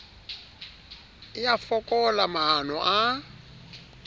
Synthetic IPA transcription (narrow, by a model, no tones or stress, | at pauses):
ɪjafɔkʼɔlamaɦan̤ɔʔa